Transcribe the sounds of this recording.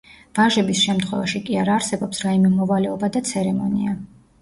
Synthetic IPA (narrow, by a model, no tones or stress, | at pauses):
v̥aʒɛbisʃɛmt̪ʰχwɛvaʃikʼiaɾaːɾsɛbɔpsɾaimɛmɔvalɛɔbad̪at̪sʰɛɾɛmɔnḭa